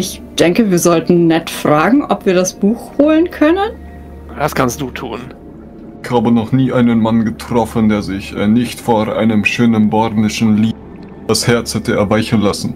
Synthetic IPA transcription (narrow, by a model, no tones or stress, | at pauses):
ɪç | d̥ɛŋkəviːɐzɔltn̩nɛtfʁ̥aːɡŋ̩ʔɔ̰pv̥iːɐɾasb̥uːxhoːlənkʰœnən | d̥askʰanstd̥uːtʰuːn | ɪçhaːbənɔχniːʔaɪnənmanɡətʁ̥ɔfəndeːɐzɪçɛ̰ːnɪçtfoʔa̰ɪnəmʃøːnənbɔɐdnɪʃn̩liː | d̥ashɛɐt͡shɛtəɛɐvaɪçən̩lasn̩